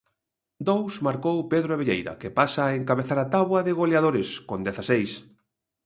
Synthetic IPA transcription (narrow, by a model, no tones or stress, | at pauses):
d̪owsmaɾkowpeðɾoeβeʎejɾɐ̰kɪpasaeŋkaβeθaɾat̪aβwɐðɪɣolaðoɾɪskond̪eθasejs